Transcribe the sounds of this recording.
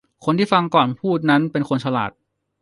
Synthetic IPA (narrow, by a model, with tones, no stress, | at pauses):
kʰo˧nt̪ʰiː˥˩fa˧ŋkɔː˨˩npʰuː˥˩t̪̚na˦˥npe˧nkʰo˧nt͡ɕʰa˧la̰ː˨˩t̪̚